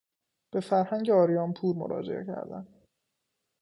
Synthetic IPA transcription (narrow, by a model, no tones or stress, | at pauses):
b̥e̞fæɾhæɲɟeɒːɾijɒːnpʰuːɾmo̰ɾɒ̰ːd͡ʒḛʔḛcʰæ̰ɾd̪æ̰n